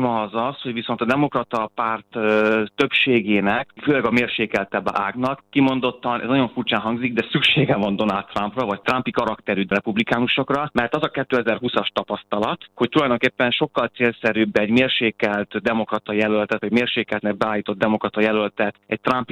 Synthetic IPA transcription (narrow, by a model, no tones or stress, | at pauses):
mɒzɒsho̞ɟʋiso̞nt̪ɒd̪ɛmo̞krɒt̪ɒpaːrt̪ːø̞pʃeːɡeːnɛkføːlɛɡɒmeːrʃeːkɛlt̪ɛbɛ̰ʔaːɡnɒkːimo̞nd̪o̞t̪ːɒnʔɛ̰znɒɟo̞ɱfurt͡ʃaːnɦɒŋɡziɡ̚d̪ɛsykʃeːɡɛvɒnd̪o̞nalt̪ːramprɒvɒct̪rampikɒɾɒkt̪ɛɾyt̪rɛpublikaːnuʃo̞krɒmɛrt̪ɒzɒkɛt̪ːøːɛzɛrɦusɒʃt̪ɒpɒst̪ɒlɒt̪ho̞c̚t̪ulɒjd̪o̞ŋkeːpːɛnʃo̞kːɒlt̪seːlsɛɾyːbːɛːɟmeːrʃeːkɛlt̪d̪ɛmo̞krɒt̪ɒjɛlølt̪ɛt̪ʋɒɛɟmeːrʃeːkɛlt̪nɛɡ̚bɛaːljit̪o̞d̪̚d̪ɛmo̞krɒt̪ɒjɛlølt̪ɛt̪ɛc̚t̪rampi